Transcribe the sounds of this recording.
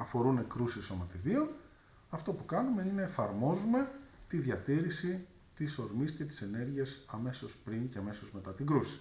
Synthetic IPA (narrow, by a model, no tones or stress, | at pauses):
ɐfo̞ɾune̞kɾusiso̞mɐt̪iðio̞n | ɐft̪o̞pukɐnume̞inɐefɐɾmo̞zume̞t̪iðʝɐt̪iɾisi | t̪iso̞ɾmisce̞t̪i̥se̞ne̞ɾʝiesɐme̞so̞spɾiɲce̞ɐme̞so̞zme̞t̪ɐt̪iŋɡɾusi̥